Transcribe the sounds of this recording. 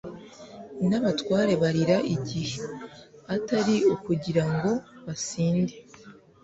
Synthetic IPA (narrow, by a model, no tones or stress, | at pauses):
naβatwaːɾe̞βaɾiɾaʔiɟiheataɾiukuɟiɾaŋɡo̞βasiːnde